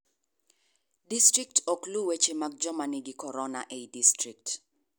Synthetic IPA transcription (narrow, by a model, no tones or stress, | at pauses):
distɾik̚tɔkluwet͡ʃemak̚d͡ʒɔmanɪɡɪkɔɾɔnaʔeidistɾik̚t